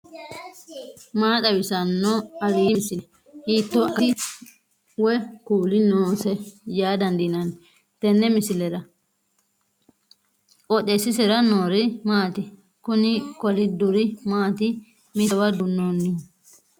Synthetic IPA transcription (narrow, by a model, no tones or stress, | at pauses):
maːt̪ɐwɪsɐnːɔɐɾiːmɪsɪl | hiːt̪ːɔʔɪ | wɛkuːlɪnoːsɛjaːd̪ɐnd̪ɪnɐn | t̪ɛnːɛmɪsɪlɛɾɐ | ʔɔtːesːɪs̬ɛɾɐnoːɾɪmaːt̪ɪ | kʊnɪkɔlɪd̪ʊɾɪmaːt̪ɪ | mɪwɐd̪ʊnːoːnːɪ